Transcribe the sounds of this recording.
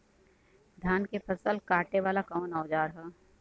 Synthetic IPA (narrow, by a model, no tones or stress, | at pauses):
d̪ʱjaːnkepɐsəlkaːʈeʋaːlakɔonaːd͡ʒaːɾɦɛː